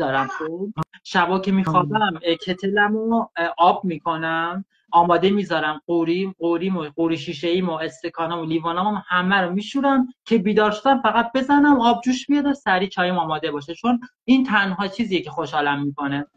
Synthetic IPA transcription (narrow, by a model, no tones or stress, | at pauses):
ɒːɾæmxoʃæbɒːkʰe̞miːxɒːbæmcʰe̞t̪ʰelæmoʔɒːb̚miːkʰo̞næm | ɒːmɒːd̪e̞mizɒɾæmɢoɾiɢoɾiːmoɢoɾiːʃiːʃeiːmoe̞st̪e̞kʰɒːnɒmoliːvɒːnɒmamhæmæɾomiːʃuɾæmcʰe̞biːd̪ɒːɾʃo̞d̪æmfæɣæt̪̚be̞zænæmɒːb̚d͡ʒuːʃbijɒd̪osæɾiːt͡ʃʰɒːjimɒːmɒːd̪e̞bɒːʃet͡ʃʰo̞n | int̪ʰænɦɒːt͡ʃʰiːzijecʰe̞xoʃhɒːlæmːiːko̞ne